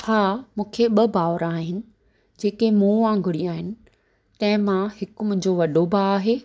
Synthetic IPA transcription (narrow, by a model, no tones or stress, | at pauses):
haːmũːkʰeɓɐbaːʋɾaːɦɪnɪ̆ | d͡ʑeːkemũːãːŋɡʱʊɽiaːɦɪnɪ̆ | t̪ɐ̃ɦɪ̃mãhɪkmʊ̃ɦɪ̃ɲd͡ʑoʋɐɗobʱaaːɦeː